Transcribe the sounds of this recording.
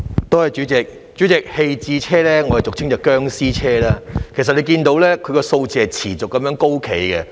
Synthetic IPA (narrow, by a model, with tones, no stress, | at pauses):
t̪o˥hɐ˨˩jt͡ʃyː˨˥t͡sɪ˨k̚ | t͡ʃyː˨˥t͡sɪ˨˩k̚he˧jt͡siː˧t͡sʰɛː˥lɛː˥ŋɔ˨˧hɐ˨˩jt͡sʊ˨k̚t͡sʰɪ˥ŋœː˨˩kːœː˥ŋsiː˥t͡sʰɛː˥laː˦kʰe˨˩s̬ɐ˨t̚le˨˧jk̬iː˧nt̪o˨˧˥wlɛː˥kʰɵ˨˧ɥkɔ˧so˧wt͡siː˧˩hɐ˨jt͡sʰiː˨˩t͡sʊ˨kːɐ˨˧mjœː˨˥ŋko˥wkʰe˨˥jkɛ˧